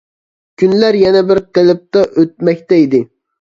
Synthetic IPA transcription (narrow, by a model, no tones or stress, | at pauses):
kʲʰynlæɾjɛnɛbɪɾqelˠɪp̚t̪ɑʔøt̪̚mɛkʲt̪ɛid̪ɪ